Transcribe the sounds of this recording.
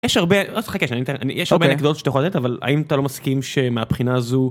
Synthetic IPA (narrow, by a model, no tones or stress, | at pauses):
jɛʃhaʁbeozeχakeʃanit̪ea̰nijɛʃaoʁbenekd̪otʃe̥t̪ajxolat̪etavala̰imat̪alomaskimʃemeapχinaːzu